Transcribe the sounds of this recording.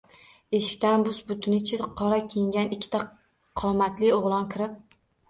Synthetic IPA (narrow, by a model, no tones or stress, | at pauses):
eʃɪ̥kʲt̪anbʊzbʊt̪ʰɪnɪt͡ʃʰɪqʰɒɾakʲʰejɪŋɡʲanɪkʲʰːɪt̪ʰa | qʰɒmat̪lɪoʁlˠɒnkʲʰɪɾɪp̚